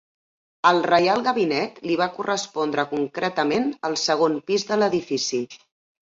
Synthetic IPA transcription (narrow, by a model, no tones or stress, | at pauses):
əlˠrəjalˠɣəβinɛt̪liβ̞akurəspɔnd̪ɾəkuŋkɾʔɛt̪əmenəlˠsəɣ̞ompizðələðifisi